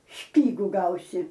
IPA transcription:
ˈʃʲpʲiːɡʊ ˈɡɐʊsʲɪ

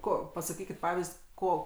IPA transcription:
ˈkoː pɐsɐˈkʲiːkʲɪt ˈpɑːʋʲɪsʲtʲ ˈkoː

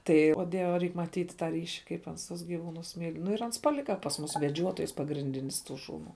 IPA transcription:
ˈtɐɪ oː ˈdʲiɛʋʲɛ ˈrʲɛɪk mɐˈtʲiːt tɑː ˈrʲiːʃʲɪ kɐɪp ˈɐns tʊs ɡʲɪˈʋuːnʊs mʲiːlʲ nʊ ɪr ˈɐns pɐˈlʲɪkɐ pɐs ˈmʊs ʋʲɛˈd͡ʒʲuɔtoːjs pɐɡrʲɪnʲˈdʲɪnʲɪs ˈtuː ˈʃuːˌnuː

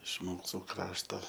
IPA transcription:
ɪʃ ˈmuːsuː ˈkrɑːʃtoː

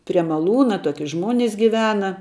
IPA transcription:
pʲrʲiɛ mɐˈlˠuːnɐ ˈtoːkʲɪ ˈʒmoːnʲɪs ɡʲɪˈʋʲæːnɐ

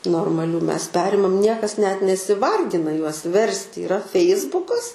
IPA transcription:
noːrmɐˈlʲuː ˈmʲɛs ˈpʲæːrʲɪmɐm ˈnʲiɛkɐs nʲɛt nʲɛsʲɪˈʋɐrʲɡʲɪnɐ juɔs ˈʋʲɛrʲsʲtʲɪ iːˈrɐ ˈfʲɛɪzbʊkɐs

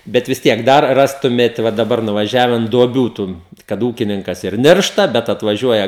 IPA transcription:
ˈbʲɛt ʋʲɪs ˈtʲiɛk ˈdɐr ˈrɑːstʊmʲeːt ʋɐ dɐˈbɐr nʊʋɐˈʒʲæːʋʲɛn duɔˈbʲuː ˈtʊn kɐt ˈuːkʲɪnʲɪŋkɐs ɪr ˈnʲɪrʃtɐ ˈbʲɛt ɐtʋɐˈʒʲuɔjɛ

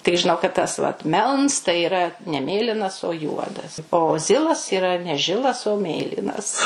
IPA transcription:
tʲɪk ʒʲɪˈnɐʊ kɐt ˈtɐs ʋɐt ˈmʲɛlˠns tɐɪ iːˈrɐ nʲɛ ˈmʲeːlʲɪnɐs oː ˈjuɔdɐs oː ˈzʲɪlˠɐs iːˈrɐ nʲɛ ˈʒʲɪlˠɐs oː ˈmʲeːlʲiːnɐs

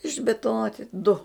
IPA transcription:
ɪʒʲbʲɪtʊˈnoːtʲɪ dʊ

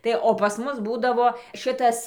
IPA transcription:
ˈtɐɪ oː pɐs ˈmʊs ˈbuːdɐʋoː ˈʃɨtɐs

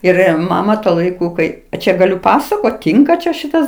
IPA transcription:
ˈɪr ˈmɑːmɐ tuɔ lˠɐɪˈkʊ ˈkɐɪ ɐ ˈt͡ʃʲɛ ɡɐˈlʲʊ ˈpɑːsɐkoːt ˈtʲiːŋkɐ t͡ʃʲɛ ˈʃʲɪtɐs

